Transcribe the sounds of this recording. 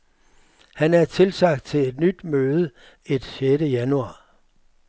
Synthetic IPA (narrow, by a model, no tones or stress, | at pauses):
hænæɐt͡sʰe̝lsɑ̈ɡ̥d̥̚t͡sʰe̝led̥nyd̥møːð̞ˠə | e̝d̥ɕeɾəjænuɑ̈ː